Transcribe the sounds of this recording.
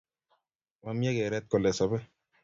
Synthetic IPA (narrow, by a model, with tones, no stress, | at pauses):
wa˦mjɛ˦kɛ˨ɾɛ˦t̪̚kɔ˨lɛ˨sɔ˨bɛ˦